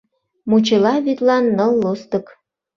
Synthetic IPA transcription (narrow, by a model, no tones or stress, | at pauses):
mut͡ɕelɑβit̪lɑnːəlːost̪ə̆k